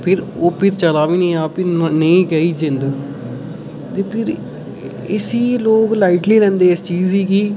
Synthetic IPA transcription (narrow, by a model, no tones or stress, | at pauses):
pʰɪɾoːpʰɪɾt͡ʃəlaːʋiːnĩːaːpɪnəĩːɡəiːd͡ʒɪ̃nd̪ | t̪eːpʰɪɾ | ɪsiːloːklaːɪʈliːlɛ̃ːnd̪eːɪst͡ʃiːziːkiː